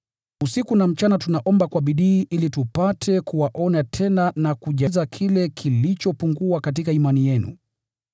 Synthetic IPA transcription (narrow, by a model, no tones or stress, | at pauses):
usikunam̩t͡ʃanatunaʔɔmbakwaɓiɗiːʔilitupatʰɛkuwaʔɔnatʰɛnanakuʄazakʰilɛkʰilit͡ʃɔpuŋɡuakatikaimanijɛnṵ